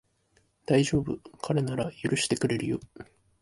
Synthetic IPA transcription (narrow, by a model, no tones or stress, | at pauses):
d̪̥aiʑo̞ːbɯ̟kʰaɾe̞naɾajɯɾɯ̟ɕi̥t̪e̞kɯ̟ɾe̞ɾɯ̟jo